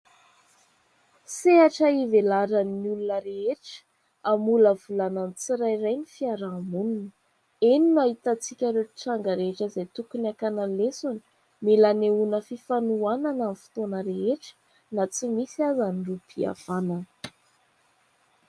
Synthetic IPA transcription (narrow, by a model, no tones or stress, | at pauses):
seaʈ͡ʂəivelaɾənːiulunəɾeeʈ͡ʂə̥ | amuləvulananit͡siɾajrajnifiaɾamununə | eninaɦit̪at͡sikʲəɾeʈ͡ʂaŋɡəɾeɦeʈ͡ʂəzajt̪ukuniakanalesuni̥ | melaneunəfifanuananamifi̥t̪onəɾeeʈ͡ʂə̥ | nat͡simisiazanirupʰia̰v̥ananə̥